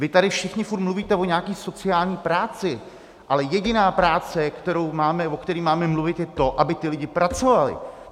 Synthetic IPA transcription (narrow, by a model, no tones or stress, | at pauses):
vɪt̪adɪfʃɪxɲɪfuɾt̪mluviːt̪ɛvoɲɛaːkiːso̞t͡sɪaːlɲiːpɾaːt͡sɪ | ʔalɛjɛɟɪnaːpɾaːt͡sɛkt̪ɛɾowmaːmɛvokt̪ɛɾiːmaːmɛmluvɪt̪jɛt̪o̞ʔabɪt̪ɪlɪɟɪpɾat͡so̞valɪ̰